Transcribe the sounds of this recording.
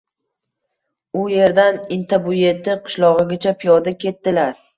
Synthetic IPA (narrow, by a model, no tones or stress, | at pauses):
ʊje̞ɾd̪anɪnt̪ʰabʊje̞t̪ʰɪqʰɨ̥ʃlˠɒʁɨɡʲat͡ʃʰapʰijɒɾd̪akʲʰe̞t̪ːɪlaɾ